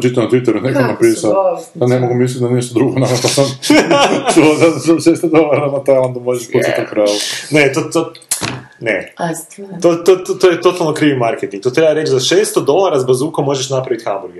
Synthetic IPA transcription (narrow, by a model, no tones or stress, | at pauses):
t͡ʃit̪ːanat̪ʋit̪eɾunekonapiːsaojanemoɡumislit̪d̪aniʃt̪od̪ɾuɡonakot̪osam | t͡ʃuozazaʃest̪od̪olaɾaanat̪ajland̪umoʒeʃput͡ʃiukɾaːʋunet̪ot̪o | nḛ | t̪ot̪ot̪ot̪ojet̪o̞t̪alˠnokɾiːʋimaɾket̪iŋɡ̚t̪ot̪ɾebaɾet͡ʃzaʃeːst̪od̪olˠaɾazbazuːkomːo̞ʒeʃnapɾaʋit̪xambuɾɡe